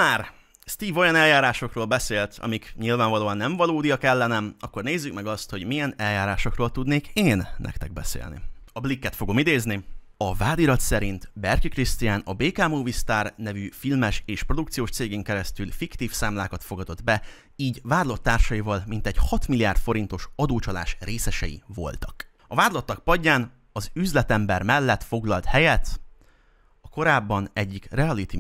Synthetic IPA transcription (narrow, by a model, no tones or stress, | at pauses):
maːr | st̪iːvo̞jɒnɛljaːɾaːʃo̞kroːlbɛseːlt̪ʰɒ̰mikɲilvaːɱvɒloːɒnːɛɱvɒloːd̪ijɒkɛlːɛnɛmɒkːo̞rneːzːykmɛɡɒst̪ho̞ɟmijɛnɛljaːɾaːʃo̞kroːlt̪ud̪neːkeːnːɛ̰kt̪ɛɡ̚bɛ̰sḛːlnḭɒblikːɛt̪fo̞ɡo̞mid̪eːzni | ɒvaːd̪iɾɒt̪sɛɾint̪bɛrkikrist̪ijaːnɒbeːkaːmuvist̪aːrnɛvyfilmɛʃeːʃpro̞d̪ukt̪sijoːʃt̪seːɡeːŋkɛɾɛst̪ylfikt̪iːfsaːmlaːkɒt̪fo̞ɡɒd̪o̞d̪bɛ | iːɟvaːd̪lo̞t̪ːaːrʃɒjivɒlmint̪ɛɟhɒt̪milijaːrt̪fo̞ɾint̪o̞ʃɒd̪oːt͡ʃɒla̰ːʃreːsɛʃɛ̰jḭvo̞̰lt̪ɒk | ɒvaːd̪lɒt̪ːɒk̚pɒɟːaːn | ɒzyzlɛt̪ɛmbɛrmɛlːɛt̪fo̞ɡlɒlt̪hɛjɛt̪ | ɒko̞ɾaːbːɒnɛɟːikrɛɒlit̪i